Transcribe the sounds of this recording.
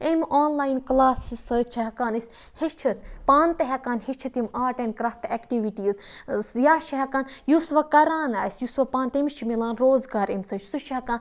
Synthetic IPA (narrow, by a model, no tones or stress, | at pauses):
emʲʔoːnlaːjinklaːsisət͡ʃʰɐɦɐkaːnɨsʲ | hit͡ʃʰit̪paːnt̪eɦɛkaːnhit͡ʃʰɨt̪imaːʈenkɾafʈeːkʈiʋiʈiːzjaːʃɐɦɐkaːnjusʋɐkɐɾaːnaːsʲjusʋɐpaːnt̪emit͡ʃʰimilaːnɾoːzɡaːɾemʲsɐt͡ʃʰsuʃʰɦɐkaːn